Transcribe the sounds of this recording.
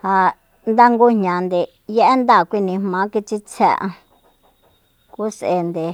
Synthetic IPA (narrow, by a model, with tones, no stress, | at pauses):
ha˧ | nd̪a˦ŋɡu˧ɲ̥ɲã˨nd̪e˨ | je˦ʔe˦nd̪a˦˨kʷi˧nĩ˧mmã˨˦ki˧t͡ʃi˧t͡sʰɛ̰˧ʔã̰˧ | ku˦sʔe˧nd̪e˨